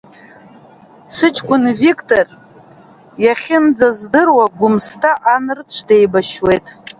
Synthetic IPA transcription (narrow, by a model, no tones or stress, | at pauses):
sɨt͡ʃʼkʷʼʊnvikʰʼtʰʼor | jaχʲɪnd͡zazdɨrwaɡʷʊmstʰaʔanɨrt͡sʷʰde̞jbaʃwe̞jtʼ